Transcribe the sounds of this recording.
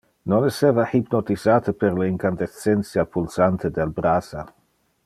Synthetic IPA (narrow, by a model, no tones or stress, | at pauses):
noneseːvahipnot̪izaːt̪əpeɾleiŋkand̪est̪sːɛnt̪sjapulsant̪ed̪elbɾaːsa